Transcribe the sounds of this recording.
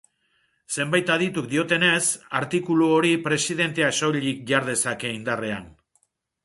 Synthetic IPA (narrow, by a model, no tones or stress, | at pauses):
se̞mbajt̪aðit̪uk̚d̪io̞t̪e̞ne̞saɾt̪ikuluoɾipɾe̞sið̞e̞nt̪easoʎik̚ʝaɾðe̞sake̞ind̪are̞a̰n